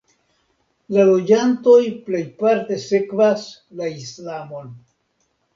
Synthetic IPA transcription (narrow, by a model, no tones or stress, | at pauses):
lalo̞d͡ʒanto̞jple̞jpaɾte̞se̞kvas | laislamo̞n